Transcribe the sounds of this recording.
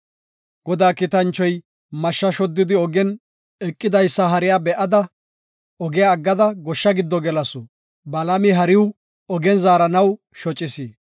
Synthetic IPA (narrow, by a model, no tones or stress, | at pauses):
ɡ̥ɔd̪aːkɪt̪ɐnt͡ʃːɔj | mɐʃːɐʃɔd̪ːɪd̪ɪɔɡɛn | ɛkʼːɪd̪ɐjsːɐɦɐɾɪjaːbɛʔɐd̪ɐ | ɔɡɪjaːɡːɐd̪ɐɡɔʃːɐɡɪd̪ːɔɡɛlɐsʊ | bɐlɐmɪɦɐɾɪw | ɔɡɛnzaːɾɐnɐw | ʃɔt͡ʃʼːɪsiː